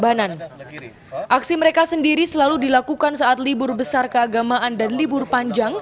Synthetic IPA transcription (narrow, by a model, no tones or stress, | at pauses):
banan | ʔaksiməɾekasəndiɾisəlaludilakukansaʔat̪libʊrbəsarkəaɡamaʔandanlibʊrpaɲd͡ʒaŋ